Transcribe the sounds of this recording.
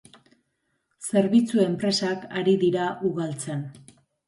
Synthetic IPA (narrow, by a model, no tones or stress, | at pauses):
se̞ɾβit͡sue̞mpɾe̞sakaɾiðiɾaʔuɣalt͡sen